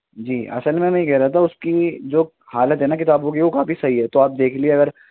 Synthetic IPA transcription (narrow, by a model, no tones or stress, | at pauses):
d͡ʒiːʔɐ̰səlmẽmɛ̃ɦĩkɛɦɾaːat̪ʰaʊskid͡ʒoː | haːlət̪ɦɛnak̬ɪt̪aːbõkikokaːfisɐɦiɦɛt̪oaːp̚d̪eːkʰlieɐɡəɾ